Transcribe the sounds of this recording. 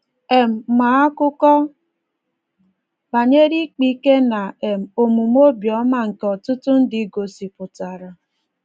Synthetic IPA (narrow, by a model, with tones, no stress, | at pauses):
e˨m̩˨ma˨˦a˦kʊ˦kɔ˦ | ba˨ɲe˦ɾi˦k͡pi˦ke˦na˨e˨m̩˨o˨mu˨m˦o˦bjɔ˨˦ma˦ŋ̩˨kɔ˨tʊ˦tʊ˦n̩˦dɪ˨˦ɡo˨si˨pʊ˨ta˨ɾa˨